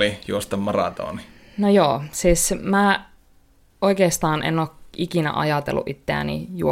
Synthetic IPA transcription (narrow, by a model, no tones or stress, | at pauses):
lijuost̪ɑmmɑrɑ̰t̪o̰ːni | nojoːsiːsmæ | oikeːst̪ɑːnʔḛnoːkikinæ̰ʔɑ̰jɑt̪elːṵʔit̪ːeæ̰nḭju